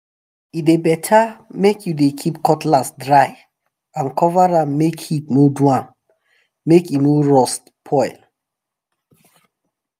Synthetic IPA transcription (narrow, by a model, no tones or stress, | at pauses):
idebɛtʰamekʰjudekʰipkʰɔtlasdɹaɪ | ãnkʰɔvaɹãmmekhitnodwãm | mekjunoɹɔst | pʰɔɪl